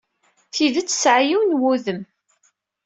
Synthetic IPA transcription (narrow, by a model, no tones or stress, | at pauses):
θiðət͡sːsʕjiwnwuðəm